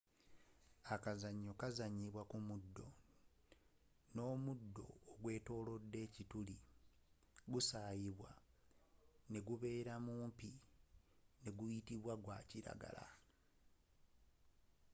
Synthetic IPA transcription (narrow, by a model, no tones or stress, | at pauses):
akazaɲːo̞kazaɲiβwakumudːo̞ | no̞ːmudːo̞̰ːɡwe̞ːto̞ːlo̞dːe̞ːcituli | ɡusaːjiβwa | ne̞ɡuβe̞ːɾamuːmpi | ne̞ɡujitiβwaɡwaːciɾa̰ɡa̰la̰